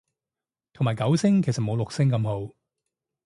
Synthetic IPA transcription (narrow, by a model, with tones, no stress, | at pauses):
t̪ʰo˨˩ŋmaː˨jkɐ˨˥wsɪ˥ŋkʰe˨˩jsɐ˨t̚mo˨˧wlʊ˨k̚sɪ˥ŋkɐ˧mho˨˥w